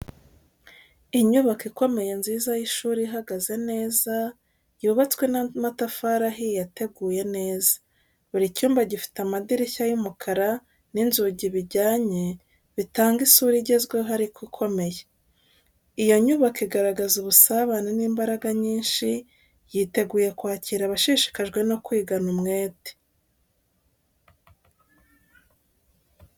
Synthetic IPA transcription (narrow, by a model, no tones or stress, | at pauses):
iɲuβakiko̞me̞je̞nziːzajiʃuːɾiiɦaɡaze̞ne̞ːza | juːβat͡skwe̞nmatafaɾaɦijateɡuːje̞ne̞ːzḁ | βuɾicuːmbaɟifi̥tamadiɾiçajumukʰaɾa | ninzuɟiβiɟaːɲe | βitaːŋɡisuɾiɟe̞zɡweɦaɾikwikʰo̞me̞je̥ | ijo̞ɲuβakiɡaɾaɡazuβusaβaneniːmbaɾaɡaɲiːnʃi | jiːte̞ɡuːje̞kwaːciɾaβaʃiʃi̥kaʒɡwe̞no̞kwiːɡanumŋe̞ːte̥